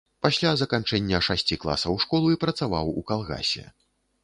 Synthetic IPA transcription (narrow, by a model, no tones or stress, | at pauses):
pasʲlʲazɐkant͡ʂɛnʲːɐʂasʲt͡sʲiklˠa̰sɐwʂkɔlˠuipɾɐt̪sava̰wukalˠɣa̰sʲɛ̰